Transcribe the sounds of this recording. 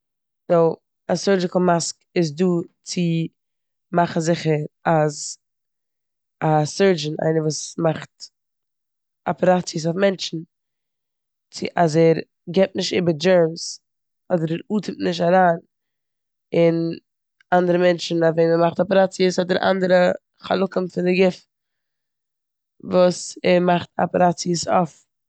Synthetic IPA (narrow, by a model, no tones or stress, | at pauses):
noʊ | asəɹd͡ʒɪkl̩ˠmaskɪs̬duːt͡sɪ | maχn̩zɪχəɾaz | asɜɹd͡ʒn̩a̰ɪnəvuːsmaχt | apɾat͡siəs̬ɔfmɛnt͡ʃn̩ | t͡sɪʔazɛɾ | ɡɛp̚tnɪʃtɪbəɾd͡ʒɛɹms | ɔdəɾɛɾuːtʰɪmtnɪʃ̬taɾaːn | ɪn | andəɾəmɛnt͡ʃn̩aveɪnɛmaχtɔpɛɾat͡siəshɔdəɾʔa̰ndəɾə | χa̰lˠʊkəmfɪndɪɡɪf | vuːsɛɾmaχtʰa̰pɛɾat͡siəsɔf